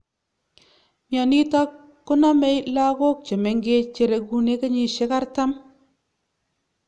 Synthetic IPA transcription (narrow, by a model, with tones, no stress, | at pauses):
mja˨ni˦ta˦kː | ʊ˦na˦me˦jla˦ko˦k̚t͡ʃe˨me˨ŋɡe˦t͡ʃe˨ɾe˨˧ku˦ne˦ka˦ɲi˦˨ʃe˦ka˦ɾta˦m